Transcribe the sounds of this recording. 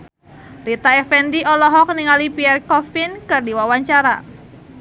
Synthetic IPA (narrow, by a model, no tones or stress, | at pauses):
lit̪aɛfɛndiʔɔlɔɦɔk̚niŋalipiɛrkɔfinkɨrdiwawaɲt͡ʃaɾa